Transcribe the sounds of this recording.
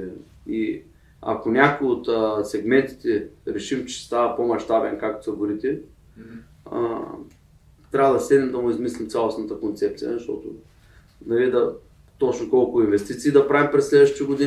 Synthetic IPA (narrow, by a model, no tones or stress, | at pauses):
i | a̰konʲakojot̪əsɛɡmɛnt̪i̥t̪ɛɾɛʃimt͡ʃɛ̥st̪avɐpomɐʃt̪abɛ̰nkak̚t̪o̥sɐboɾit̪ɛ | ə̰ | t̪ɾʲavəd̪ɐsɛd̪nʲɛmd̪ɐmʊizmislʲimt̪sʲalˠosnət̪əkont̪sɛp̚t̪sijə̰zɐʃt̪ɔt̪ʊ̰ | znɐɾid̪ɐ | t̪ot͡ʃnokolˠkʊinvɛst̪it̪siːd̪ɐpɾavimpɾɛslɛd̪vəʃt̪it̪əɡod̪i